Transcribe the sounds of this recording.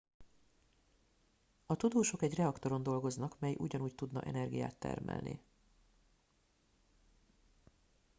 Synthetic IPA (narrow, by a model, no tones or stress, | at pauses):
ɒt̪ud̪oːʃo̞kɛɟrɛɒkt̪o̞ɾo̞nd̪o̞lɡo̞znɒkmɛjʔṵɟɒnuːct̪ud̪nɒ̰ʔɛ̰nɛrɡija̰ːt̪ːɛ̰rmɛ̰lnḭ